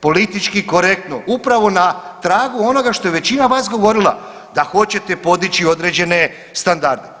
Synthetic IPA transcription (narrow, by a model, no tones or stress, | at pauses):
po̞lit̪it͡ʃkiko̞ɾe̞k̚t̪noʔupɾaʋo̞nat̪ɾaːɡuo̞no̞ɡaʃt̪o̞jeʋe̞t͡ɕinaʋaːsɡo̞ʋo̞ɾilˠa̰ | d̪axo̞t͡ɕe̞t̪e̞po̞d̪it͡ɕio̞d̪ɾe̞ːd͡ʑe̞ne̞ | st̪and̪aɾd̪e